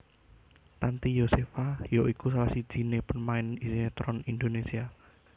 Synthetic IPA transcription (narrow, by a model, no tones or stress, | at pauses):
t̪ant̪ijosefajoʔikusalasid̥ʒ̥i̤nepənmaɪnisinet̪ɾɔnind̪onesia